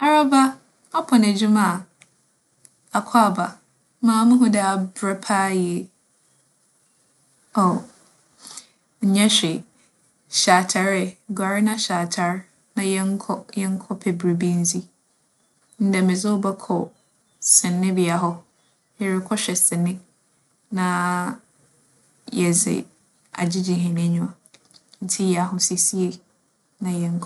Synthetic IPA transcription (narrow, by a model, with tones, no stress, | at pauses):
a˦ɾa˦ba˦ | a˦pʰɔ̃˨nɛ˨d͡ʑu˦mã˦˨ | a˨kʰa˦˨ba˨ | mãː˨˦mʊ̃˦ɦʊ̃˦dɛ˨a˨bɾɛ˦pʰaː˦je˨ | o˨ | ɲ̩˨ɲɛ̃˦ɕᶣɛ˨ | ɕaː˨tʰa˨ɾɛ˨ɡa˨ɾɪ˦nã˦ɕaː˨tʰa˨ɾ | nã˨jɛ˦ŋ˦kʰɔ˦jɛ˦ŋ̩˦kʰɔ˦pʰɛ˨bɾi˨bi˦n̩˦zi˦ | n̩˦dɛ˨mɪ̃˨zʊ˦bɛ˦kʰɔ˨ | sɪ̃˨nːɪ̃˦bɪ˨a˨ɦɔ˦ | jɛ˨ɾɪ˦kʰɔ˦ɕᶣɛ˨sɪ̃˨nɪ̃˦ | nã˦ | jɛ˨zɪ̰˨ | a̰˨d͡ʑi˦d͡ʑĩ˨ɦɪ̃˨nɪ̃˦ɲʊ̃˨a˨ | n̩˦tʰi˦ja˨ɦʊ˦si˨si˦e˨ | nã˨jɛ˦ŋ̩˦kʰ